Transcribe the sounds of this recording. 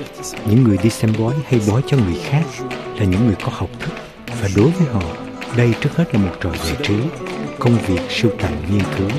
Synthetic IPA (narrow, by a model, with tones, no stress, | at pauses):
ɲɨ̰˧˥ŋːɨ˨˩əjɗi˧sɛ˧mɓɔ˨˦jha˧jɓɔ˨˦jt͡ɕɔ˧ŋɨ˨˩əjxaː˦˥k̚laː˨˩ɲɨ̰˧˥ŋːɨ˨˩əjkɔ˨˦ha˨˩wk͡p̚t̪ʰɨ˦˥k̚ | vaː˨˩ɗo˨˦jvəː˨˦jɦɔ̰˧˨ | ɗə˧jt͡ɕɨ˦˥ək̚he˦˥t̚laː˨˩mo˨˩t̚t͡ɕɔ˨˩jza̰ː˧˨jt͡ɕɨ˨˦kə˧wŋ͡mvi˨˩ək̚si˧wt̪a̰ː˧˨ŋŋi˧ənkɨ˨˦